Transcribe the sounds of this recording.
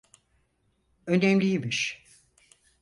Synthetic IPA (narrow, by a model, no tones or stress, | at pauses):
ø̞nɛmlʲijimiʃ